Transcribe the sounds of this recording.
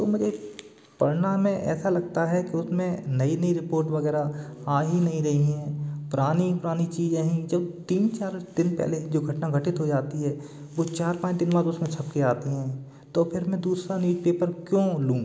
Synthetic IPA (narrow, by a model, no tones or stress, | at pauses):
t̪o̰ːmʊd͡ʒe | pɐɾnamẽʔɛ̰ːsalɐɡ̚t̪aɦɛkiʊsmẽnɐinɐiɾɪpoːɾʈʋɐɣɛːɾaaːɦinɐɦĩɾɐɦiɦɛ̃ːpʊɾaːnipʊɾaːnit͡ʃiːd͡ʒaɦĩd͡ʒɐbt̪iːnt͡ʃaːɾd̪ɪnpɛ̰ːled͡ʒoːɡʱɐʈnaɡʱɐʈɪt̪ɦod͡ʒaːt̪iɦɛː | ʋot͡ʃaːɾpãːt͡ʃt̪ɪnʋaːɾʊsmẽt͡ʃʰɐpkeaːt̪iɦɛ̃ː | t̪opʰɪɾmɛ̃d̪uːsɾanjuːd͡ʒpeːpəɾkjõːlũː